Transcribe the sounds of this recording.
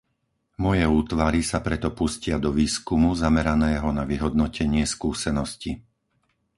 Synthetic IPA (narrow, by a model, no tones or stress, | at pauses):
mɔjɛuːt̪ʋaɾisapɾɛt̪ɔpuscɪad̪ɔʋiːskumuzamɛɾanɛːɦɔnaʋiɦɔd̪̚nɔcɛɲɪɛskuːsɛnɔsci